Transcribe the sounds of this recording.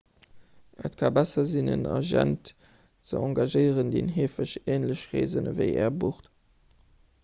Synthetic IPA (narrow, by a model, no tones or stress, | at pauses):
ʔətkʰaːbæsɐzinə̰nɑ̰ʒæ̰nt | t͡sə̰ɑ̃ŋɡaʒəɪəʁəndeːnɦeːfəɕeːnləɕʁeːzənəvəɪʔɛ̰ːɐbuχt